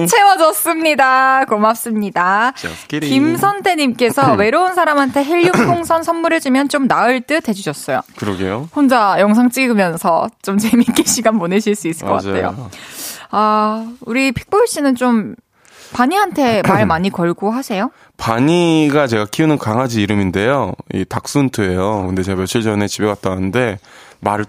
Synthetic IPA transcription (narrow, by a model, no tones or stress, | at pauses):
t͡ɕʰe̞wʌd͡ʑʌs͈ɯmɲidakomap̚s͈ɯmɲida | kimsʰʌntʰeɲimk͈e̞sʰʌwe̞ɾounsʰaɾamɦantʰe̞ɦiʎːutʰoŋsʰʌnsʰʌnmːuɾed͡ʑimjʌnt͡ɕomnaɯɭt͈ɯtʰe̞d͡ʑuɕʰʌs͈ʌjo̰kɯɾʌɡḛjohond͡ʑajʌŋsʰaŋt͡ɕ͈iɡɯmjʌnsʰʌ̰t͡ɕ͈omt͡ɕemik͈eɕʰiɡanmoneɕʰiɭs͈uis͈ɯ̥k͈ʌk͈a̰tʰejo̰ | auɾipʰi̥k̚p͈oɭɕ͈inɯnt͡ɕom | paɲiɦantʰe̞maɭmaɲikʌɭɡoɦasʰe̞jo | paɲiɡat͡ɕe̞ɡakʰiunɯnkaŋɦad͡ʑiːɾɯminde̞joḭtak̚s͈untʰɯe̞jokɯnde̞t͡ɕe̞ɡamjʌɕʰiɭd͡ʑʌne̞t͡ɕibeɡat̚t͈anɯnde̞maɾ